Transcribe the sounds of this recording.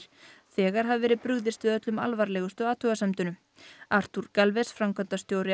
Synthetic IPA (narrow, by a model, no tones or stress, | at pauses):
θɛːɣaɾ̥ɦavvɛːɾɪðpɾʏɣðɪst̪vɪðœt̪lʏma̰lvaɾlɛːɣʏst̪ʏaːt̪ʰœɣasɛmt̪ʏnʏ | aɾ̥t̪uɾkalvɛsfɾamkœnt̪ast̪joːwɾɪ